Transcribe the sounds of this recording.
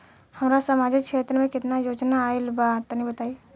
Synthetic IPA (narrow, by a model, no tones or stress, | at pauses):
həmɾasəmad͡ʒikt͡ʃʰeːt̪ɾəmẽkɪt̪najod͡ʒnaːelbat̪ənĩbət̪ai